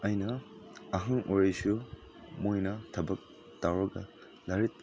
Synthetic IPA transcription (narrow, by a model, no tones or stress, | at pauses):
ɐjnɐɐɦɐŋʔoɾɐjsu | mojnɐtʰɐbɐk̚ | tawɾɐɡɐ̰ | laɾit̚